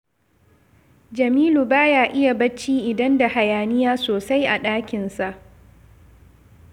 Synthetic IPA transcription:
d͡ʒɐ˨miː˦lu˨baː˦jaː˦ʔɪ˦ja˨bɐ˦t͡ʃːiː˦ʔɪ˨dɐ˦nda˨ha˨jaː˨nɪ˦jaː˦soː˨sa˦jʔa˨ɗaː˦kʲɪ˨nsa˨ʔ

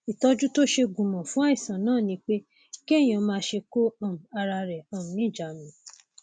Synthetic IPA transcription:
i˨tɔ˧d͡ʒu˦to˦ʃe˧ɡũ˨mɔ̃˨fũ˦a˦i˦˨sã˨nãː˦˨nĩ˧˦k͡pe˦ | ke˦e˦˨j̃ã˨˧˦mãː˧˦ʃe˧ko˦ã˦˨a˧ɾa˧ɾɛ˨ɔ˨ũ˨nĩ˦˨d͡ʒa˨mĩ˨˦

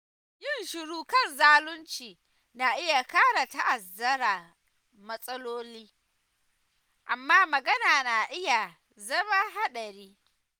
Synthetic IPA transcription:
jɪ˦nʃɪ˨ɽuː˦kɐ˦˨nzaː˦lʊ˦nt͡ʃiː˨ | na˨ʔɪ˦ja˨kaː˦ɽa˨ta˦ʔa˨zɐ˦ɾaː˨ | mɐ˦sʼɐ˦loː˦liː˦ | ʔa˨mːaː˦mɐ˨ɡɐ˦naː˨na˨ʔɪ˦ja˨ | zɐ˦ma˦ɦa˦ɗɐ˨ɾiː˦

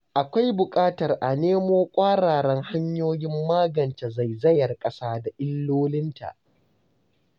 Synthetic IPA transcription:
ʔa˨kʷa˦jbʊ˨kʼaː˦tɐ˨rʔa˨neː˦moː˦kʷʼaː˦ɽaː˨ɽɛ˦ŋha˦ɲjoː˦jɪ˦mːaː˦ɡɐ˨nt͡ʃe˨za˨jzɐ˦jɐ˨rkʼɐ˦saː˦da˨ʔɪ˦lːoː˦lɪ˦nta̰˨ʔ

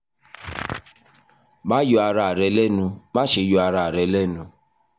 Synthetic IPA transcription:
mã˦jo˧a˧ɾa˧˨ɾɛ˨˧lɛ˦nũ˧mã˦ʃe˨˧˦jo˧a˧ɾa˨ɾɛ˨˧lɛ˦nũ˧

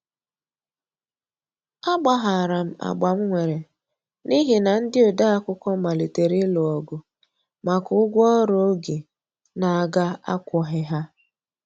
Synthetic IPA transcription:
a˦ɡ͡ba˨ɦa˨a˨ɾa˨m̩˦a̰˨ɡ͡ba˨m̩˦ŋʷe˨ɾe˨ | ni˦ɦi˨na˨n̩˦dɪ˦o˨da˦a˦kʷʊ˦kɔ˦ma˨li˨te˨ɾɪ˦lɔ˨ɔ˨ɡʊ˨ | ma˨kʊ˦ʊ˦ɡʷɔ˦ɔ˦ɾo˦o˦ɡe˨ | na˨a˨ɡa˦a̰˦kʷɔ˨˦ɦɪ˦ɦa˦

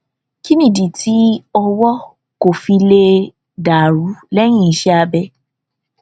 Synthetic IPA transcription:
ki˦nĩ˦˨di˨ti˨˦ɔ˧wɔ˦ | ko˨fi˧le˧ | da˨ɾu˨˦lɛ˦j̃ĩ˦˨i˨˦ʃɛ˦a˧bɛ˧

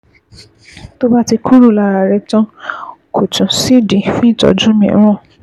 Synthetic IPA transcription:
to˦ba˦ti˧kʰũ˦ɾu˦˨la˧˨ɾa˨ɾɛ˧tɔ̃˦kʰo˨tũ˨si˦dĩ˨fũ˦i˦˨tɔ̰˨˦d͡ʒũ˦mɛ̰̃˨˦ɔ̃˦˨

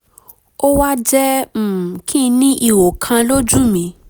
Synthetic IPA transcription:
o˦wa˦d͡ʒɛ˦˨ | kʰĩ˦nĩ˦ʔi˧wo˨kʰã˧lo˦d͡ʒu˦˨mĩ˨˧

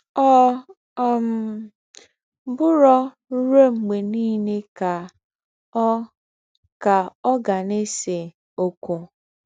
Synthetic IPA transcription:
ɔ˦ | m˨˦ | bʊ˦ɾɔ˦ | ɾo˦ŋ͡m̩˨ɡ͡be˨niː˦ne˦ka˨˦ | ka˨ɔ˦ɡa˨ne˦se˨ | o˨kʊ˨

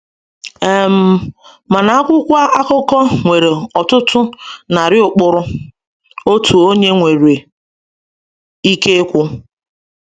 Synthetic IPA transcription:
e˨m̩˦ | ma˨na˨a˦kʷʊ˦kʷa˦ʔa˦kʊ˦kɔ˦ŋʷe˨ɾe˨ɔ˨tʊ˦tʊ˦na˨ɾɪ˦ʊ˨k͡pʊ˦ɾʊ˦ | o˦tu˨o˦ɲe˦ŋʷe˨ɾe˨ | i˦ke˦kʷʊ˦

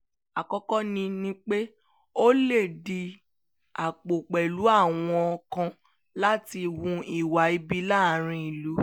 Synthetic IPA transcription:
a˨kɔ˧kɔ˦nĩ˧nĩ˦k͡pe˦ | o˦le˦˨di˧ | a˨k͡po˨k͡pɛ˨lu˨˦a˦˨w̃ɔ̃˧ɔ˧kã˧ | la˦ti˧wũ˧i˦˨wa˨˦i˧bi˦la˦˨˦ɾ̃ĩ˧i˦˨lu˨˦

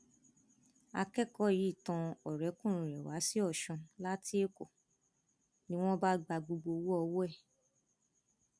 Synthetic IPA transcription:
a˧kɛ˦kɔ˦˨ji˨˦i˦˨tã˧ɔ˨ɾɛ˨˦kũ˦˨ɾ̃ĩ˨ɾɛ˨wa˨˦si˦ɔ˦˨ʃɔ̃˧la˦tʰi˦e˦ko˨ | nĩ˦w̃ɔ̃˦ba˦ɡ͡ba˧ɡ͡bo˧ɡ͡bo˧wo˦ɔ˧wo˦ɛ˦˨

